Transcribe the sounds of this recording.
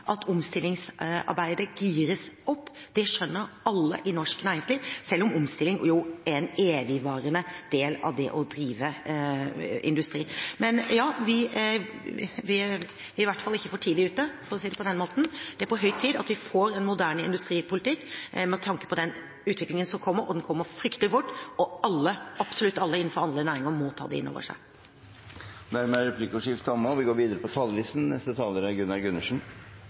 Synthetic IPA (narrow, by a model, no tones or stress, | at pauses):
ʔɑt̪ʰɔmst̪ɪlːɪŋsɑ̰ɾbæɪd̪əɡiːɾəsɔpːd̪̥ɛʂœnːəɾɑlːə̰ʔɪnɔʂknæːɾɪŋsliːʋsɛlːɔmʊmst̪ɪlːɪŋjʊɛneːʋɪʋɑːɾənəd̪eːlɑ̰ʋd̪ɛ̰ʔɔd̪ɾiːʋə | ʔɪ̰nd̪ʉst̪ɾiːmɛnjɑːʋɪ | ʋɪ | ʋɪɪʋæʈːfɑlːɪçːəfɔʈʰiːd̪ɪʉːt̪ːəfɔɾɔsiːd̪ɛpɔd̪ɛnmoːt̪n̩d̪̥ɛæɾpɔɦœʏt̪ʰiːd̪ɑt̪ʋɪfoːɾɛnmʊd̪æːɳɪ̰nd̪ʉst̪ɾiːpʰʊlɪt̪ɪkːmɛt̪ʰɑŋkə̥pʰɔd̪ɛn | ʉːt̪ʋɪklɪŋənsɔmkʰɔmːəɾɔ̰d̪ɛnkʰɔmːəɾfɾʏkt̪əlɪfʊʈːɔɑlːəɑpsɔlʉt̪ːɑlːəɪn̩ːfɔɾɑnd̪ənæːɾɪŋəɾmɔt̪ʰɑ̰ːd̪ɛ̰ɪ̰nːo̰ːʋə̰ʂæ̰ɪ | d̪æɾmɛæɾɛpʰliːkʊʂɪft̪ɑmːəɔʋɪɡoːɾʋiːd̪əɾəpɔt̪ʰɑləlɪsn̩nɛst̪ət̪ʰɑːləɾəɡʉnɑɾɡʉnːəʂn̩